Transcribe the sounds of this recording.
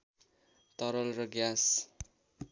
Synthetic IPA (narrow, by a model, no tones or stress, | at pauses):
t̪ʌɾʌlrʌɡjas